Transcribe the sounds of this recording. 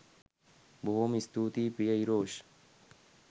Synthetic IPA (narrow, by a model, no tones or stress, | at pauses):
booːmist̪uːt̪iːpijɐiɾoːɕ